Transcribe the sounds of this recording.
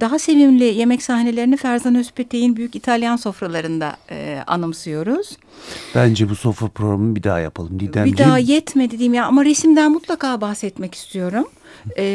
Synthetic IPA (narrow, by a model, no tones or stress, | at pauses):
d̪̥aɦase̞vimlʲɪje̞mɛcsahne̞lʲe̞ɾinifæɾzanosy̥pʰɛt̪ʰːejinbyjycit̪ʰalʲjanso̞fɾalˠaɾɯnd̪a̰a̰nɯmsɯjo̞ɾuz̥ | b̥ænd͡ʒɛbuso̞fɾapʰɾoɡɾamɯbid̪a̰ːja̰pʰalˠɯmd̪iæbid̪aːjɛt̪med̪ed̪iːimjaamaɾesimd̪ænmut̪lˠakaːbaxsɛt̪mɛci̥st̪ʰijo̞ɾumː